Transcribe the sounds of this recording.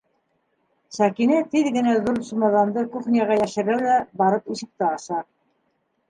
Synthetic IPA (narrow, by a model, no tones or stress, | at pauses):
sækinɘt̪iðɡɘ̆næðuɾsumɑðɑnd̪ɤkuχnʲijɑʁɑjæʃɘ̆ɾælæbɑɾɤpiʃɘ̆k̚t̪æɑʃɑ